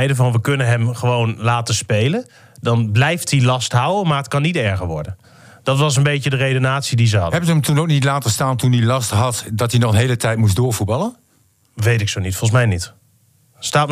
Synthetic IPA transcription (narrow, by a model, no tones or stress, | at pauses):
ɛjdəvɑnʋəkɵnənɦɛmχəʋownlaːtəspejlən | dɑnblɛjftilɑstɦawəmaːɹɦətkɑnːitɛɹχəɹʋɔ̰ɹdən | d̥ɑtʋɑs̬ənbejcədərejdonaːtsidizəɦɑ̰dɛtyəmtunowk̚nitlaːtəstaːntunilɑstɦɑtdɑtinɔχənɦejlətɛjtmusdʊːɹvut̚bɑlˠən | ʋejtɪksoːnitfɔlˠsmɛjnit | staːt